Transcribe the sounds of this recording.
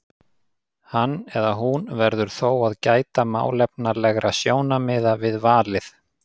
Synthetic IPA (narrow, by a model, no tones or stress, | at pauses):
hanːɛðaɦunvɛɾðʏɾ̥θoːwaðcaːjt̪ama̰ːwlɛpnalɛɣɾʔasjoːwnamɪːðavɪðvaːlɪθ